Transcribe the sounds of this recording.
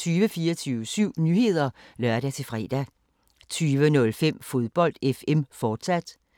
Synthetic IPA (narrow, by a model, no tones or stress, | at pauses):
t͡sʰyːʋəfiːɐt͡sʰyːʊəsyʊ̰nyhe̝ð̞̰ˠɐlɶɐɾ̥æt͡sʰe̝fʁɛːd̥æ | t͡sʰyːʋənɔ̽lfem̰fo̝ðˠb̥ɒ̽l̰d̥efemfɒːd̥sæd̥